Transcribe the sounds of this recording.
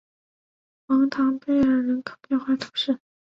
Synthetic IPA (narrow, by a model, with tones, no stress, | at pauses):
xɑ˧˥ŋt̪ʰɑ˧˥ŋpe˥˩ɪə˧˥ɻə˧˥nkʰɤ̥˨˩ʊt̪jɛ˥˧nxwa˥˩t̪ʰu˧˥ʂɻ̩˥˩